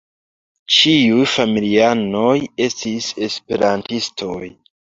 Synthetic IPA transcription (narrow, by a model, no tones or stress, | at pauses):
t͡ʃiujfamiliano̞je̞stise̞spe̞ɾantistʰo̞j